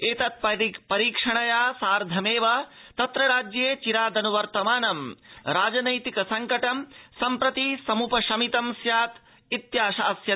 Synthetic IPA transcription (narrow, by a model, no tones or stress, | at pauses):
eːt̪ɐt̪̚pɐɾipɐɾiːkʂɐɳɐjaːsaːɾd̪ʱɐmeːʋɐ | t̪ɐt̪ɾɐɾaːd͡ʒjeːt͡ʃiɾaːd̪ɐnuʋɐɾt̪ɐmaːnɐmɾaːd͡ʒɐnɐjt̪ikɐsɐŋkɐʈɐmsɐmpɾɐt̪isɐmupɐʃɐmit̪ɐmsjaːt̪ | it̪jaːʃaːsjɐ